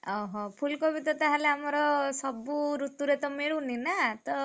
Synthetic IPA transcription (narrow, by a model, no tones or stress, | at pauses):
ɔɦɔpʰulkɔbʱit̪ɔt̪aɦaleamɔɾɔsɔbuɾut̪uɾet̪ɔmeɭuninat̪ɔ